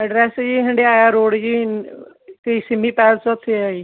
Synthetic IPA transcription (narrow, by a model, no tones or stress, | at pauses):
əɖɾɛːsd͡ʒiːɦɪɳɖeːaːjaːɾoːɽd͡ʒiː | kəiːsɪmiːpɛːlsət̪ʰeaːiː